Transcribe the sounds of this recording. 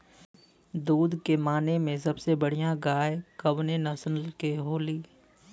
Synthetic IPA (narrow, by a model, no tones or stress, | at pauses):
d̪uːd̪kemaːnemẽs̬ɐbsebɐɽ̤ijãɡaːekɐbnenɐsənlkeɦoːliː